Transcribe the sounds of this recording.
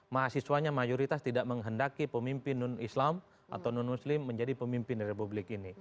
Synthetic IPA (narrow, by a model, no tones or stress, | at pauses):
maɦasisuaɲamajoɾit̪ast̪idaʔməŋɦəndakipəmimpɪnːʊnislam | ʔa̰t̪awnunmuslɪmːəɲd͡ʒadipəmimpɪnɾepublɪkini